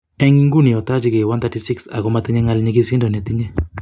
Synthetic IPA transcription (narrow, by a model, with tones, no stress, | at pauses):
ɛ˦ŋ˦ŋɡu˦ni˨ɔ˨ta˦t͡ʃi˦ke˨wa˦nt̪a˦ti˦si˦ksa̰˨kɔ˦ma˦t̪ɪ˦ɲɛ˦ŋa˦lɲe˦ki˦si˦ndɔ˨nɛ˨t̪i˦ɲɛ˦